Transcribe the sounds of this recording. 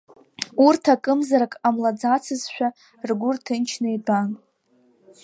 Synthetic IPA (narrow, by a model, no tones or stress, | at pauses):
urtʰakʼɨmzaɾakʼamlad͡zat͡sʰɨzʃᶣa | rɡʷʊrtʰɨnt͡ʃʰnejdʼan